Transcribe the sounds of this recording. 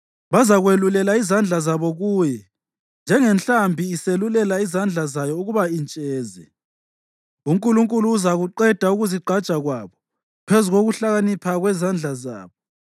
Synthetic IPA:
βazaɣwelulɛlaizand͡ɮʱazaβɔɣuːjɛ | nd͡ʒʱɛŋɛnɬambʱiːselulɛlaizand͡ɮʱazajɔuɣuβaint͡ʃʼɛːzɛ | uŋkʼuluŋkʼuluːzaɣuǃɛd̥ʱauɣuziɡ͡ǃʱḁt͡ʃʼaɣwaːβɔ | pʰezuɣoɣuɬaɣanipʰaɣwɛzand͡ɮʱaza̰ːβɔ

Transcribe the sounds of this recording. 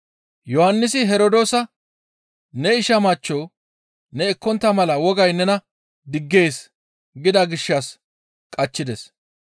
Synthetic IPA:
jɔhɐnːɪsɪɦɛɾod̪o̞ːsɐ | nɛɪʃɐmɐt͡ʃːoː | nɛɛkːɔnt̪ːɐmɐlɐwɔɡɐjnɛnɐ | d̪ɪɡːe̞ːs | ɡɪd̪ɐɡɪʃːɐs | kʼɐt͡ʃːɪd̪ɛs

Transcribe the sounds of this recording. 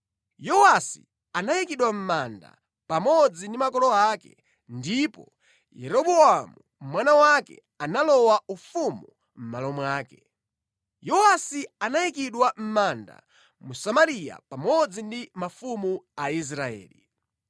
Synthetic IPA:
jɔwasḭ | anajikiɗwam̩manda̰ | pamɔd͡zindimakɔlɔakɛ̰ | ndipɔ | jɛ̰ɾɔɓɔamu | mwanawakɛ̰ | analɔwaufumu | m̩malɔmwaːkɛ̥ | jɔwasianajikiɗwam̩manda̰ | musamaɾija̰pamɔd͡zindimafumuais̬ɾaɛ̰ːli

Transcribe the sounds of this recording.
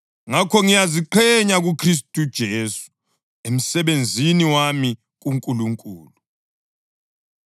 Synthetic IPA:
ŋakʰɔŋijaziǃʰɛɲaɣukʰris̬tʼud̥ʒ̥ʱeːsu̥ | em̩sɛβend͡zʱiniwami | ɣ̬uŋkʼuluŋkʼuːlu

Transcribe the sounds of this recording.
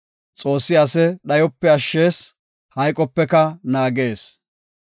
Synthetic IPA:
t͡sʼo̞ːsːɪɐsɛɗɐjɔpːɛɐʃːe̞ːs | hɐjkʼɔpːɛkɐnaːɡe̞ːs

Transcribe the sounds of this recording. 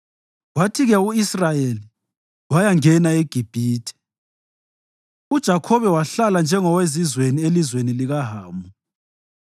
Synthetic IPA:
watʰiɣɛuisrajeli | wajaŋɛnaeɡ̥ʱib̥ʱiːtʰɛ̥ | ud̥ʒ̥ʱakʰɔβɛwaɬaland͡ʒʱɛŋɔwezizwenielizweniliɣaɦaːmbu

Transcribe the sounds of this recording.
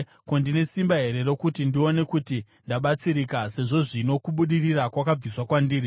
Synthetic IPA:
kondine̞simbaɦe̞ɾe̞ro̞kutindio̞ne̞kuti | ndaɓat͡siɾikase̞ʐo̞ʐino̞kuɓuɗirirakwakab͡viswakwandiːri

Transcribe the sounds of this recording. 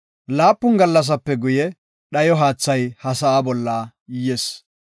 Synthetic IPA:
laːpːʊnɡɐlːɐs̬ɐpːɛɡʊjɛ | ɗɐjɔɦaːt͡sːɐjhɐsɐaːbɔlːa | jjes

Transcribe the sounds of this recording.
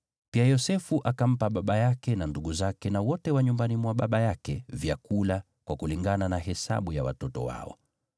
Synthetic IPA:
piajɔsɛfuʔakam̩paɓaɓajakɛnanduɠuzakɛnawɔtɛwaɲumbanimwaɓaɓajakɛvjakula | kwakuliŋɡananahɛsa̰ɓujawa̰tɔtɔ̰wa̰ɔ̰

